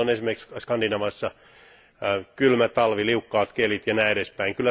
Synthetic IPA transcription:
onesimeriksskɑndinɑʋɑsːɑ | kylmæt̪ɑlʋiliukːɑːt̪kelit̪jɑnæeɾespæiŋkylːæ

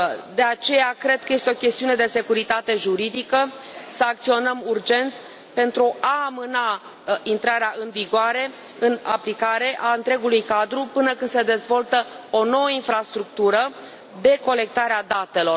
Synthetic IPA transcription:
d̪e̞at͡ʃe̞jakɾe̞d̪̚kəjest̪eo̞kʲe̞st̪iune̞d̪e̞se̞kuɾit̪at̪e̞ʒuɾid̪ikəsəak̚t̪sio̞nəmurd͡ʒe̞nt̪ | pe̞nt̪ɾuʔaːmɨna | int̪ɾaɾeaʔɨnviɡoaɾe̞ | ɨnaplikaɾe̞ʔaɨnt̪ɾe̞ɡulujkad̪ɾupɨnəkɨnd̪se̞d̪e̞zvo̞lt̪ə | ono̞wəinfɾast̪ɾuk̚t̪uɾə | d̪e̞ko̞le̞k̚t̪aɾead̪at̪e̞lo̞

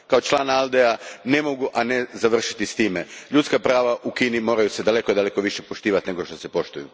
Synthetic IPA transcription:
kao̞t͡ʃlˠaːnalˠd̪eane̞moɡuʔane̞zaʋr̩ʃi̥t̪ist̪iːmeʎut̪skapɾaːʋaʔukinimo̞ːɾajused̪ale̞kod̪ale̞ko̞ʋiʃe̞po̞ʃt̪iːʋat̪ne̞ɡo̞ʃt̪o̞se̞po̞ʃt̪ujṵ

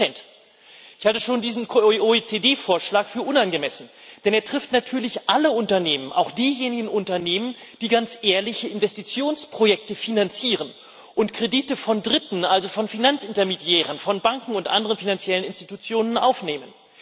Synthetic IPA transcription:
ɛnt | ʔɪçhaltəʃoːndiːzn̩oet͡sedeːfoːɐʃlaːkfyːɐʔʊnanɡəmɛsn̩d̥ɛneːɐtʁ̥ɪftnatʰyːɐlɪçʔaləʊntɐneːmənʔa̰ʊxd̥iːjeːnɪɡŋ̩ʊntɐneːmən | d̥iːɡant͡sʔeːɐlɪçəɪnvɛstit͡sjoːnspʁ̥ojɛk̚təfinant͡siːʁ̞ən | ʔʊntkʁ̥ediːtəfɔndʁɪtn̩ʔalzofɔnfinant͡sʔɪntɐmedjɛːʁ̞ənfɔnbaŋkŋ̩ʊntʔa̰ndəʁənfinant͡sjɛlənɪnstitut͡sjoːnənʔa̰ʊfneːmən

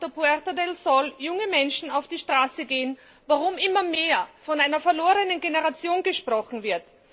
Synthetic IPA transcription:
təpuɛʁtadɛlsɔljʊŋəmɛnʃn̩aʊfd̥iːʃtʁ̥aːsəɡeːən | vaʁʊmʔɪmɐmeːɐfɔnaɪnɐfɛɐloːʁənənɡenəʁat͡sjoːnɡəʃpʁ̥ɔχn̩vɪɐt

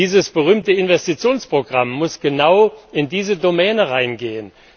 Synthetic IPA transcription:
iːzəsb̥əʁyːmtəɪnvɛstit͡sjoːnspʁ̥oɡʁamːʊsɡ̥ənaʊʔɪndiːzədomɛːnəʁaɪnɡeːən

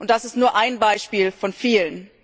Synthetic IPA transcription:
ʔʊnt̚d̥asɪstnuːɐʔaɪnbaɪʃpiːlfɔnfiːlən

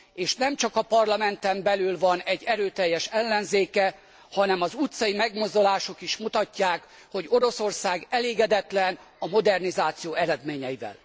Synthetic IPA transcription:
eːʃnɛmt͡ʃɒkɒpɒrlɒmɛnt̪ɛmbɛlylvɒnɛɟːɛɾøːt̪ɛjːɛʃɛlːɛnzeːkɛ | hɒnɛmɒzut̪sɒjimɛɡmo̞zd̪o̞laːʃo̞kiʃmut̪ɒcːaːk | ho̞ɟo̞ɾo̞so̞rsaːɡɛleːɡɛd̪ɛt̪lɛn | ɒmo̞d̪ɛrnizaːt̪sijoːɛɾɛd̪meːɲɛjivɛ̰l

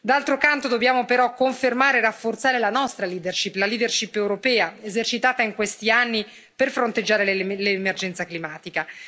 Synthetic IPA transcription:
d̪alt̪ɾokant̪od̪objaːmopeɾɔkːoɱfermaːɾerafːort̪saːɾelanɔst̪ɾaliːd̪erʃipːlaliːd̪erʃipewɾopɛːaezert͡ʃit̪aːt̪aiŋkwest̪ianːi | perfɾont̪ed͡ʒːaːɾellemerd͡ʒɛnt̪saklimaːt̪ika

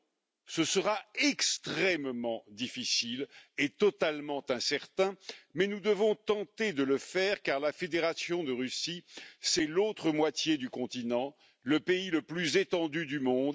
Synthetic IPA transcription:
səsəʁaɛkst̪χɛmmɑ̃d̪ifisilet̪ɔt̪almɑ̃t̪ɛ̃sɛʁt̪ɛ̃mɛnud̪əvɔ̃t̪ɑ̃t̪ed̪ələfɛʁkaʁlafed̪eʁasjɔ̃d̪əʁysisɛlot̪χəmwat̪jed̪ykɔ̃t̪inɑ̃ | ləpeiləplyzet̪ɑ̃d̪yd̪ymɔ̃d̪

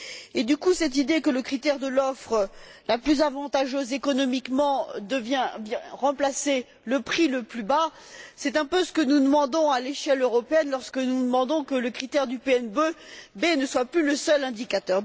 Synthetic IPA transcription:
ed̪ykusɛt̪̬id̪ekələkχit̪ɛʁd̪əlɔfχəlaplyzavɑ̃t̪aʒøzekɔnɔmikmɑ̃d̪əvjɛ̃vjɛ̃ʁɑ̃plase | ləpχiləplyba | sɛt̪ɛ̃pøsə̥kənud̪əmɑ̃d̪ɔ̃aleʃɛløʁɔpeɛnlɔʁskənud̪əmɑ̃d̪ɔ̃kələkχit̪ɛʁd̪ypeɛnbøbenəswaplyləsœlɛ̃d̪ikat̪œʁ

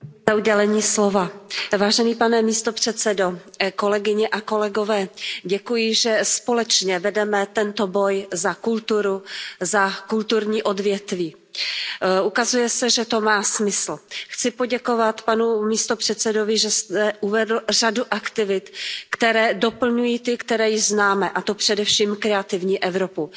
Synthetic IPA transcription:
zauɟɛlɛɲiːslovavaːʒɛniːpanɛmiːst̪o̞pr̝̥ɛt̪t͡sɛdoko̞lɛɡɪɲɛʔako̞lɛɡo̞vɛːɟɛkujɪʒɛspo̞lɛt͡ʃɲɛvɛdɛmɛt̪ɛnt̪o̞bo̞jzakult̪uɾuzakult̪uɾɲiːʔo̞dvjɛt̪viː | ʔukazujɛsɛʒɛt̪o̞maːsmɪsl̩xt͡sɪpo̞ɟɛko̞vat̪panumiːst̪o̞pr̝̥ɛt̪t͡sɛdo̞vɪʒɛst̪ɛʔuvɛdl̩r̝aduʔakt̪ɪvɪt̪kt̪ɛɾɛːdo̞pl̩ɲujiːt̪ɪkt̪ɛɾɛːjɪʒznaːmɛʔat̪opr̥ɛdɛfʃiːmkɾɛat̪ɪvɲiːʔɛvɾo̞pu

